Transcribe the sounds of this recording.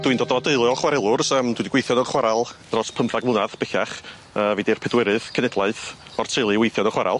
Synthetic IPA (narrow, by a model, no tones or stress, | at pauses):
d̥wɨndɔdɔdeɨlˠjɔχwaɾɛlˠʊrsəːmd̥widiɡwejθjɔnɔχwaɾalˠd̥rɔspʰəmfaɡmˠʊnaðb̥ɪɬaχ | əːviːdirpʰɛdwɪɾɨðkʰənɛdlˠaɨθɔr̥tʰɨɨlˠɨwejθjɔnɔχwaɾa̰lˠ